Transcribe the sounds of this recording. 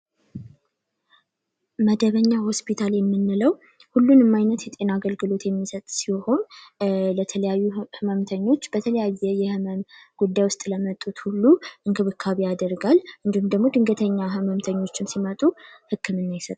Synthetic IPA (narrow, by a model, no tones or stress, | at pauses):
məd̪əβəɲːaho̞spʰit̪ʰaljɛmːɨnːɨləw | hulːunɨmːajnət̪jɛt̪ʼe̞naɡəlɡɨlo̞t̪jɛmːisət̪ʼsiho̞nlət̪ʰələjajːuhɨməmt̪ʰəɲːo̞t͡ʃːb̥ət̪ʰələjajːɛjɛhɨməmɡ̥ud̪ːajwʊst̪ʼləmət̪ʼut̪hulːuʔɨŋkʰɨβɨkʰːaβejad̪əɾɡalʔɨnd̪ihumd̪əɡmo̞d̪ɨŋɡət̪ʰəɲːaɦɨməmt̪ʰəɲːo̞t͡ʃːɪmsimət̪ʼuhɨkʰːɨmɨnːajɪsət̪ʼ